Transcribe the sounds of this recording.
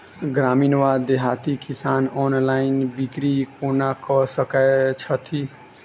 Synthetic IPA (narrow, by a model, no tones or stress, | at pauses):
ɡɾaːmiːnʋad̪eɦat̪ikisaːnɔnlaɪnbikɾikonakɔsəkət͡ʃʰət̪ʰi